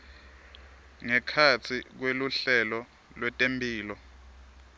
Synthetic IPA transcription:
ŋɛkʰat͡sʰik̬weluɬɛlɔ | lwɛtʼempʼiːlɔ

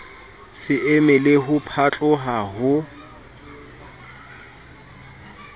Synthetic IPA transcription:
sɪemɪlɪɦʊpʰat͡ɬʼʊɦaɦʊ

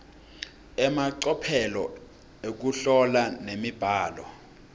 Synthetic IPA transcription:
ɛmaǀɔpʰɛlɔ | ek̬uɬɔlanemib̥ʱaːlɔ

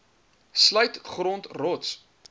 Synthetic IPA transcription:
sləɥtχrɔntrɔts

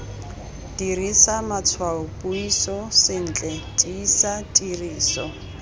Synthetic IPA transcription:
d̥irisamat͡sʰwaʊpʼuisɔsɪn̩ːt͡ɬʼɛdʼiːsatʼiriːsɔ̰

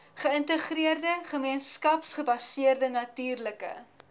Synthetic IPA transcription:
χəəntəχriərdəχəmiənskɐpsχəbɐsiərdənɐtyːrləkə̰

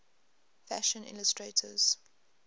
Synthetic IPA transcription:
fæʃə̃nɪ̰ləstɹeːtʰəz̥

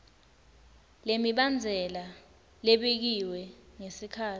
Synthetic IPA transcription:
lemiɓand͡zʱɛla | leɓek̬iwɛŋesikʰaː

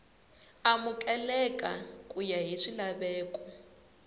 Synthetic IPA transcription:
amukʼɛlɛkʼa̰kʼujaɦiʂilaβɛːkʼɔ

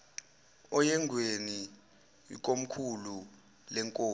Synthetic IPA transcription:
ɔjɛŋɡʱweni | k̬om̩kʰulu | lɛŋkʼoː

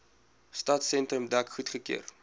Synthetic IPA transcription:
stɐtsɛntrəmdækχutχəkḭər

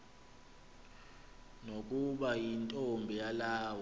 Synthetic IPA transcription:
nokʼuɓajintʼombʱijalaːw

